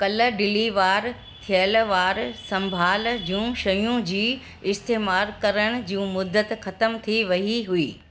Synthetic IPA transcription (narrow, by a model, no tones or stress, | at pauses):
kɐlə̆ɖɪliʋaːɾ | t̪ʰijəlʋaːɾsɐ̃mbʱaːld͡ʑũːʃɐjũd͡ʑiː | ɪst̪eːmaːɾkɐɾəɽ̃̆d͡ʑiũːmʊd̪ːət̪xɐt̪əmt̪ʰiʋɐɦiɦuiː